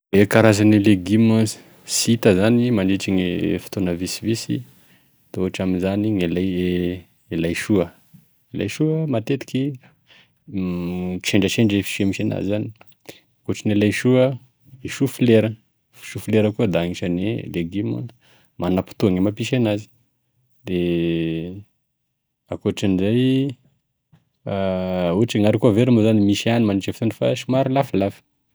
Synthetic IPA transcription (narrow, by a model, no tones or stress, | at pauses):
ekaɾazanileɡimazi̥ | sit̪əzanimaɳɖ͡ʐiʈ͡ʂiŋifi̥t̪onəvisivisi | t̪oaʈ͡ʂaminzaniŋelaje | elajʃuə | ela̰jʃuəmat̪et̪i̥ki | t͡ʃeɳɖ͡ʐət͡ʃeɳɖ͡ʐefi̥ʃemiʃena̰zizani̥ | koʈ͡ʂinelajʃuə | iʃufileɾə | fi̥ʃufileɾəkuəd̪aŋiʃanḛleɡimun | manapu̥t̪uaŋemapiʃenazi̥ | d̪e | akoʈ͡ʂanizaj | uʈ͡ʂiŋaɾikuəveɾimuzanimiʃianimanit͡ʃefit̪unifa̰ʃimaɾilafilafi̥